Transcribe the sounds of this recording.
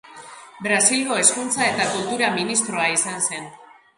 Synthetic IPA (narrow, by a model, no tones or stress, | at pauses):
bɾasilɣo̞e̞skunt͡sae̞t̪akult̪uɾaminist̪ɾo̞aisanse̞n